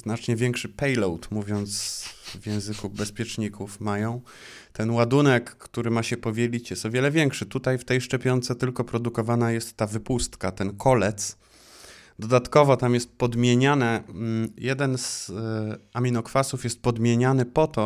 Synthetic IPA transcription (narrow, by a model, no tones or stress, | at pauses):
znat͡ʂɲɛvʲjɛŋkʂɘpɛjlɔwt̪muvʲjɔnt̪svʲjɛ̃w̃zɘkubɛspʲjɛt͡ʂɲikufmajɔ̃w̃ | t̪ɛnwad̪unɛkːt̪uɾɘmaɕɛpɔvʲjelʲit͡ɕjɛst̪ɔvʲjɛlɛvʲjɛŋkʂɘt̪ut̪ajft̪ɛjʂt͡ʂɛpʲjɔnt̪sɛt̪ɘlkɔpɾɔd̪ukɔvanajɛst̪ːavɘpust̪kat̪ɛnkʰɔlɛt̪s | d̪ɔd̪at̪kɔvɔt̪amjɛst̪̚pɔd̪mʲjeɲanɛjɛd̪ɛnz̥ | amʲinɔkfasufjɛst̪̚pɔd̪mʲjeɲanɘpɔt̪ɔ